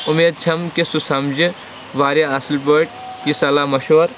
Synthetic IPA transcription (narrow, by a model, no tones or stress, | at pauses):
umeːd̪̚t͡ʃʰɐmkesusɐmd͡ʒi | ʋaːɾjaɐslpəʈ̚ | kisɐlaːmɐʃoːɾ